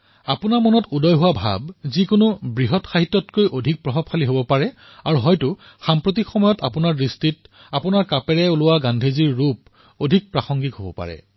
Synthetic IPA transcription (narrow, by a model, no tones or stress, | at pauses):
apʊnaɹmɔnɔtudɔjɦʊwabʱa̰bzikʊnʊbɹiɦɔtxaɦitːɔtkojʔodʱik̚pɹɔɦɔb̚xʰaliɦobɔpaɹɛ | aɹuɦɔjtʊ | xampɹotikxɔmɔjɔtapʊnaɹːistit | apʊnaɹkapɛɹɛʊlʊwaɡandʱeziɹːup̚ | odʱik̚pɹaxɔŋɡikɦobɔ̰pa̰ɹɛ̰